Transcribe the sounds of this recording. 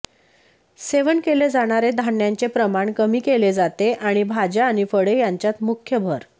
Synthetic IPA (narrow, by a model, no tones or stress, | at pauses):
seʋənkeled͡zaɽ̃aɾed̪ʱanjaɲt͡sepɾəmaɳkəmiːkeled͡zat̪eʔaɽ̃ibʱad͡ʑaːɽ̃ifəɽejaɲt͡ɕjat̪mukʰjəbʱəɾ